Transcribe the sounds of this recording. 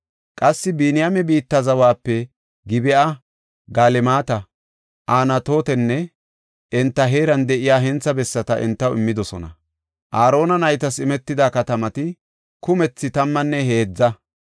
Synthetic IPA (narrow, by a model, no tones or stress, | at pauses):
kʼɐsːɪbinɪjamɛbiːt̪ːɐzɐwaːpːɛ | ɡɪbɪʔaɐ | ɡaːlɛmaːt̪ɐ | ʔaːnɐt̪o̞ːt̪ɛnːɛ | ʔɛnt̪ːɐɦeːɾɐnd̪ɛʔɪjaːɦɛnt͡sːɐbɛsːɐt̪ɐʔɛ̰nt̪ːɐwɪmːɪd̪ɔsɔnɐ̰ | ʔaːɾo̞ːnɐnɐjt̪ɐsɪmɛt̪ːɪd̪aːkɐt̪ɐmɐt̪ɪ | kʊmɛt͡sːɪt̪ɐmːɐnːɛhe̞ːd͡zːɐ